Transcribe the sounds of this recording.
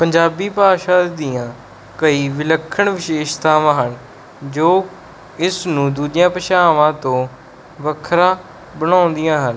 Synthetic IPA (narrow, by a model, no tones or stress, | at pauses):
pəɲd͡ʒaːbiːpaːʃãːdd̪ɪjãː | kəiːʋɪləkʰːəɳʋɪʃeːʃt̪ãːʋãːɦən | d͡ʒoː | ɪsnũːd̪uːd͡ʒɪjãːpəʃaːʋãːt̪õː | ʋəkʰɾãː | bənaːʊ̃nd̪ijãːɦən